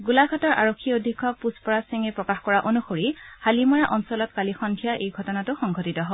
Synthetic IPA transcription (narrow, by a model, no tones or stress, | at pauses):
ɡulaɡʱatɔɹʔaɹokʰːiodʱikʰːɔpuspɔɹasiŋɛpɹɔkaxkɔɹaʔonuxoɹihalimɔɹaʔɔnsɔlɔtkalixɔndʱijaʔejɡʱɔtɔnatʊxɔŋɡʱɔtitɔɦɔ